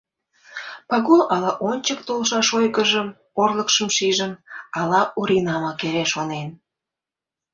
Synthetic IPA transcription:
pɑɣulɑlɑʔonʲt͡ɕəkt̪olʃɑʃojɣəʒəm | orləkʃəmʃiʒəmɑlɑʔuɾinɑmɑkeɾeʃonen

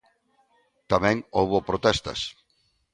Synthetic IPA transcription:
t̪amɛ̃ŋowβopɾot̪ɛst̪ɐ̰s

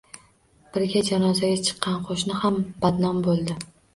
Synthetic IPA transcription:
b̥ɪɾɡʲad͡ʒanɒzaɡʲat͡ʃʰɨ̥qʰːɑnqʰoʃnɪhamb̥ad̪nɒmbolˠd̪ɪ

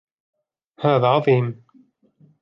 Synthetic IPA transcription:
haːðaʕɑðˤiːm

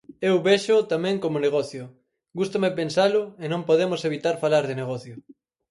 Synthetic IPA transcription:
ewβeʃʊt̪amɛ̃ŋkomoneɣ̞ɔθjʊ | ɡust̪omepensalʊenõmpoðemʊseβit̪aɾfalaɾðɪneɣɔθjʊ

